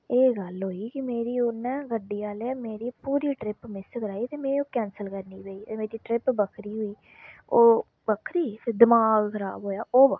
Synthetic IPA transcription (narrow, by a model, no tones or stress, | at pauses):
eːɡəlɦoːiːkɪmeːɾiːʊnːɛ̃ːɡəɖiːaːlemeːɾiːpuːɾiːʈɾɪpmɪskəɾaːit̪eːmẽːoːkɛ̃ːnsəlkəɾniːpeːiːt̪eːmeːɾiːʈɾɪpbəkʰɾiːɦʊːiː | oː | bəkʰɾiːɪd̪ɪmaːɡkʰəɾaːbɦoːjaːʔoːbə